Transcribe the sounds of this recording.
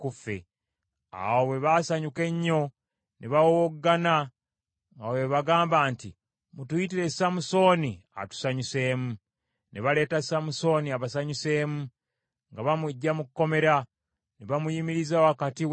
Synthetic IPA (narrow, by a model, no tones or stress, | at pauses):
kufḛ | a̰wowe̞βasaɲuke̞ɲːo̞ | neβawowoɡːana | ŋɡaweβaɡaːmbaːnti | mutujitiɾe̞samuso̞ːnia̰tu̥saɲuse̞ːmu | neβale̞ːtasamuso̞ːniaβasaɲuse̞ːmu | ŋɡaβamuɟːamukkːo̞me̞ɾa | neβamujimiɾizawakatiw